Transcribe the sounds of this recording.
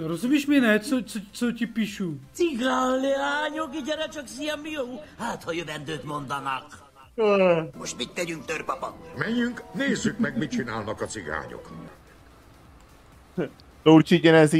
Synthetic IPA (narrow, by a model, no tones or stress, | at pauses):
ɾozubiʃminɛt͡sot͡sot͡socipiʃut͡siɡaːllɛaːɲokiɟɛɾɛt͡ʃɒksiɛmijowhaːt̪hɒjøvɛnd̪øːt̪mo̞nd̪ɒnɒkː | moʃt̪mit̪ːɛɟyŋk̚t̪ørpɒpɒ̰t̪mɛɲyŋkneːzːykmɛɡmit͡ʃinaːlnɒkɒt͡siɡa̰ːɲo̰k | t̪ort͡ʃicɛnɛz